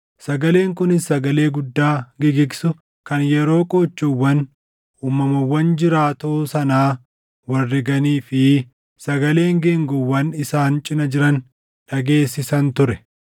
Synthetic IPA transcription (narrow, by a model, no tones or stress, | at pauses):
sɐɡɐle̞ːŋkʊnɪsːɐɡɐle̞ːɡʊd̪ːaːɡɪɡɪɡsʊ | kɐnjɛɾo̞ːkʼoːt͡ʃːʊwːɐn | uːmɐmɐwɐnd͡ʒɪɾaːt̪oːsɐnaː | wɐrːɪɡɐniːfɪ | sɐɡɐle̞ːŋɡeŋɡɔwːɐnɪsaːnt͡ʃʼɪnɐd͡ʒɪɾɐn | ᶑɐɡe̞ːsːɪsɐnt̪ʊɾɛ